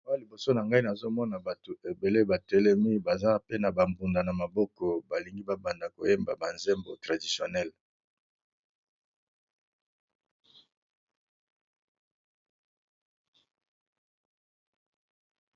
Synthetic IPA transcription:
a˦a˦li˨bo˨so˦na˨ŋɡa˦i˦na˨zo˦mɔ˦na˨ba˨tu˨e˨be˨le˦ba˨tɛ˦lɛ˦mi˦ba˨za˦pe˦na˨ba˨mbu˨nda˨na˨ma˨bɔ˦kɔ˨ba˨li˨ŋɡi˦ba˦ba˨nda˨ko˨je˦mba˨ba˨nze˦mbo˨tʁa˨di˨si˨o˨nɛ˦˨l

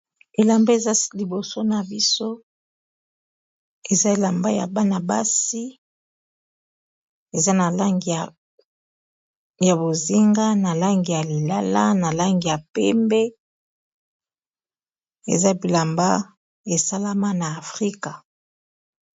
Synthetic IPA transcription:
e˨la˨mbe˦˨za˦li˨bo˨so˦na˨bi˦so˦ | e˨za˦e˨la˨mba˦ja̰˨ba˦na˨ba˦si˦ | e˨za˦na˨la˦ŋɡi˨ | ja˨bo˨zi˦ŋɡa˦na˨la˦ŋɡi˨ja˨li˨la˦la̰˦na˨la˦ŋɡi˨ja˨pɛ̰˦mbɛ˦ | ḛ˨za˦bi˨la˨mba˦ | e˨sa˦la˦ma˦naː˨fʁi˦ka˨

